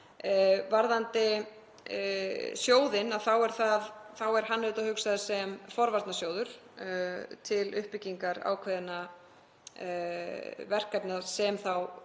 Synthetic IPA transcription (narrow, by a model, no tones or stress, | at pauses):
vaɾðant̪ɪ | sjoːwðɪnaðθawɛɾ̥θaðθawɛɾ̥ɦanːʏt̪ahʏksaðasɛmfɔɾvaɾt̪nasjoːwðʏɾ̥ | t̪ʰɪlʏhpɪcːiŋkaɾa̰ːwkʰvɛðɪna | vɛr̥kapnasɛmθaw